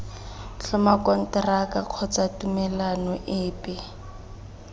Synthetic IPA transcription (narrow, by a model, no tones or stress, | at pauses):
ɬɔmakɔn̩tɛrakaq͡χʰɔt͡satumɛlanɔʔɪːpɛ